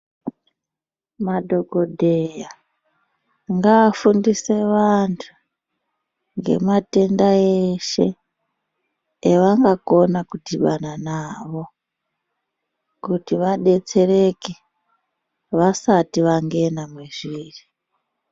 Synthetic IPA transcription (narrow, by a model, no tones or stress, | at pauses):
madʱo̞ɡodʱeja | ŋɡaːfundise̞ʋantʰu̥ | ŋɡe̞̰mate̞ndaeʃe̞ | ʋaŋɡako̞nakudiɓananaʋo̞ | kutiʋaɗe̞t͡se̞re̞ke | ʋasatiʋaŋɡe̞namweʐiːri